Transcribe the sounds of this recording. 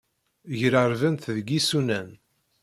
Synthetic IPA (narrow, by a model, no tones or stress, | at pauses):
ʝɾəɾvænθðɡisunæn